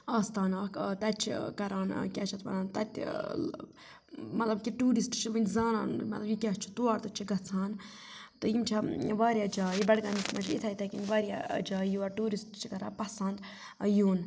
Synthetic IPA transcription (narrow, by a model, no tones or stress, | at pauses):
aːst̪aːnaːt̪ɐt͡ʃʰḭkɐɾaːnkʲaːt͡ʃʰɐt̪ʋɐ̰naːnt̪ɐ̰t̪ʲ | mɐt̪lɐbkiʈuːɾisʈt͡ʃʰiʋinʲzaːna̰ːnmɐt̪lɐbjikʲat͡ʃʰu̥t̪uaːɾt̪ɐt͡ʃʰiɡɐt͡sʰaːn | t̪ɨjimt͡ʃʰɐʋaːɾjaːd͡ʒaːjibɐɽɡaːnismɐd͡ʒlit̪ʰɐit̪ʰɐkʲinʲʋaːɾʲja̰d͡ʒaːjuɐʈuːɾisʈt͡ʃʰikɐɾa̰ːpɐsɐnd̪ | juːn